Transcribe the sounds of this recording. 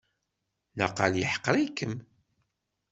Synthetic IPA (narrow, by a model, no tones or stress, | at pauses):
na̰qːaljiħə̥qːɾˤikːəm